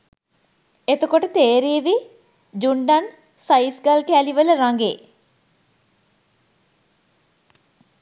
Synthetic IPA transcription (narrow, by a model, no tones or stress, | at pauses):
et̪okoʈət̪eːɾiːʋi | d͡ʒuɳɖan | sajsɡalkæːliʋələɾaŋɡeː